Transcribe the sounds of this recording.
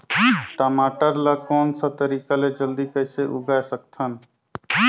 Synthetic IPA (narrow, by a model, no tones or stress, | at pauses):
ʈəmaːʈəɾlakɔːnsat̪əɾiːkaled͡ʒəld̪ikəɪseʔʊɡaesəkt̪ʰən